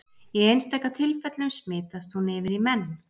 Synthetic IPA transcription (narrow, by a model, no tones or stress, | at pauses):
jɛejnst̪ʰɛhkːat̪ʰɪlfɛt̪lʏmsmɪːt̪ast̪hunɪːvɪɾimɛnː